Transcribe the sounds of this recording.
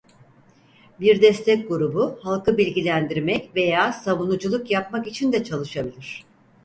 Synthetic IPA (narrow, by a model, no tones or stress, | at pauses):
biɾd̪ɛst̪ʰɛc̚ʲɡuɾubuhalˠkɯbilʲɟilʲænd̪iɾmɛcve̞jaːsavunud͡ʒulˠukjap̚makit͡ʃʰind̪ɛt͡ʃʰalˠɯʃabilʲiɾ̝̥